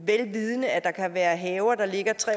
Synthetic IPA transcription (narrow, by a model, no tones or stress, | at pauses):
ʋelʋið̞ˠənəæd̥ɑ̈kʰæʋæːɐɦɛːʊɐd̥ɑ̈le̝ɡ̥ɐt͡sʰʁɛ̰